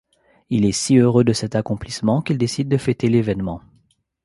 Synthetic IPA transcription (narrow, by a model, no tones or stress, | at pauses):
ilɛsiøʁød̪əsɛt̪akɔ̃plismɑ̃kild̪esid̪ːəfet̪elevɛnmɑ̃